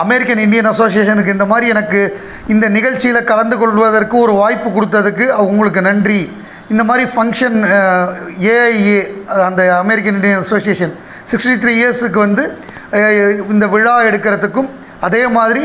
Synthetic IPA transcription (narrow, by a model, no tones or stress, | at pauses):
ɐmɛɾɪkːɐnɪɳɖɪjɐnɐsoːs̬ɪeːʂɐnɯkːɯɪnd̪ɐmaːðɾiɛnɐkːɯ | ɪnd̪ɐnɪɣɐɻt͡ʃːɪjɪlɐkɐlɐnd̪ɯkɔɭːɯʋɐðɐrkɯɔɾɯʋaːjpːɯkʊɽɯt̪ːɐðɯkːɯɐʋɐʊŋɡɐɭɯk̬ːɯnɐɳɖri | ɪnd̪ɐmaːðɾifɐŋkʂɐn | eːɐɪeːɐnd̪ɐɐmɛɾɪk̬ːɐnɪɳɖɪjɐnɐsoːsijeːʂɐn | sɪksʈit̪ʰɾiːesɯk̬ːɯʋɐnd̪ɯ | ɪnd̪ɐʋɪɻaːɛɽɯkːɪɾɐðɯkːɯm | ɐðeːmaːðɪɾi